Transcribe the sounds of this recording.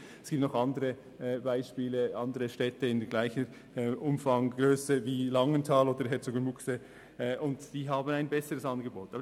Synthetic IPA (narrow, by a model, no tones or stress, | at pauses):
ɛsɡiːp̚tnɔχɑndəɾə | baɪʃpiːləʔɑndəʁəʃtɛtəɪndəɡ̥laɪçə | ʔʊmfɑŋɡ̥ʁøːsəviːlɑŋəntʰaːloːdəɾɦɛt͡soɡənmʊksə | ʔʊntd̥iːɦaːbnaɪnbɛsəʁəsɑnɡəboːtɑːbə